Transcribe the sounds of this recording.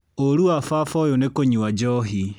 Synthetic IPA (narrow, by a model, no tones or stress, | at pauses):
oɾuafafɔjonekoɲuad͡ʒɔɦi